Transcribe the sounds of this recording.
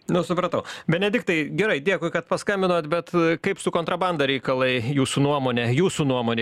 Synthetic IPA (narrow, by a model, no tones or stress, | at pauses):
nʊsʊpɾɐt̪ɐʊbʲɛnʲɛdʲɪk̚t̪ɐɪɡʲɛɾɐɪdʲiɛkʊɪkɐt̪pɐskɐmʲbʲɪnoːt̪bʲɛt̪kɐɪpsʊkoːnt̪ɾɐbɐnd̪ɐɾʲɛɪkɐlˠɐɪjuːsuːnuɔmoːnʲɛjuːsunuɔmoːnʲe